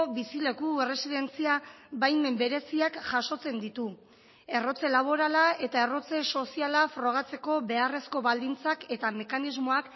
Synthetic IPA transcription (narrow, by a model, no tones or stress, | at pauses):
βisile̞kuere̞siðe̞nt͡siaβajme̞mbe̞ɾe̞siakʝaʃo̞t͡se̞nd̪it̪u | e̞ro̞t͡se̞laβ̞o̞ɾalae̞t̪ae̞ro̞t͡se̞so̞sialafɾo̞ɣ̞at͡se̞ko̞be̞are̞sko̞βald̪int͡sake̞t̪ame̞kanizmoak